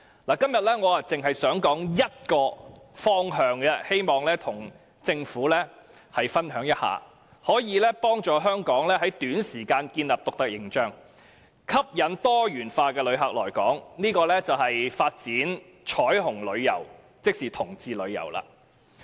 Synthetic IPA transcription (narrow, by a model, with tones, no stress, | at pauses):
laː˨˩kɐ˥mjɐ˨t̚lɛː˥ŋɔː˨˧a˨t͡sɪ˨ŋɦɐ˨jsœː˨˥ŋkɔː˨˥ŋjɐ˥t̚kɔː˧ | fɔː˥ŋɦœː˨˧ŋɡɛ˧he˥jmɔː˨ŋlɛː˥t̪ʰʊ˨˩ŋ | t͡sɪ˧ŋfuː˨˥lɛː˥ | hɐ˨jfɐ˥nɦœː˨˥ŋjɐ˥t̚ha̰ː˨ | hɔː˨˥jiː˨˧lɛː˥pɔː˥ŋt͡ʃɔː˨˩ɦœː˥ŋkɔː˨˥ŋlɛː˥ɦɐ˨˥jt̪yː˨˥nsiː˨˩kaː˧nkiː˧nlɐː˨p̚t̪ʊ˨k̚t̪ɐ˥k̚jɪ˨˩ŋt͡ʃœː˥ŋ | kʰɐ˥p̚jɐ˨nt̪ɔː˥jyː˨˩nfaː˧kɛː˧lɵ˨˧ɥɦɐ˨k̚lɔ̰ː˨˩jkɔ̰ː˨˥ŋniː˥kɔː˧lɛː˥t͡sɐ˨whɐ˨jfaː˧t̚t͡siː˨˥n | t͡ʃʰɔː˨˥jɦʊ˨˩ŋlɵ˨˧ɥjɐ̰˨˩w | t͡sɪ˥k̚siː˨t̪ʰʊ˨˩ŋt͡siː˧lɵ˨˧ɥjɐ̰˨˩wla̰ː˧